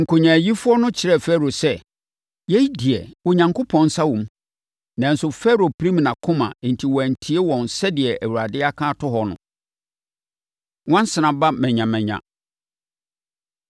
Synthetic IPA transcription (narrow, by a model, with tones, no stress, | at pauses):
ŋ̩˨kʰʊ˨ɲã˨ji˦fʊ˦ɔ˦nʊ̃˦t͡ɕʰɪ˨ɾɛ˦˨fɛ˦ɾo˨sɛ˦ | jɛ˦di˨ɛ˨wʊ˨ɲã˨ŋkʰʊ˦pʰɔ̃˨n˦sa˦wũ˨m˦ | nã˨n̩˦sʊ˨fɛ˦ɾo˨pʰɾĩ˦mnã˨kʰʊ̃˦mã̰˨n̩˨tʰi˨wɔ˨æ˨n̩˨tʰi˦e˦wɔ̃˨nsɛ˦dɪ˨ɛ˨ʔæ˨wu˨ɾa˨dɪ˦a˦kʰãː˦tʰʊ˦ɦɔ˨nʊ̰̃˨ | wɔ̃˦n˦sɪ˨nã˨ba˦mɛ̃˨ɲã˨mɛ̃˨ɲã̰˨